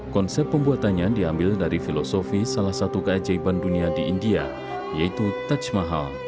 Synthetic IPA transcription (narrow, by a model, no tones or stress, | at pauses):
kɔnsɛp̚ːəmbuat̪anɲadiambɪldaɾifilosofisalahsat̪ukəad͡ʒaibanduniadiːndia̰ | jait̪ut̪at͡ʃmaɦal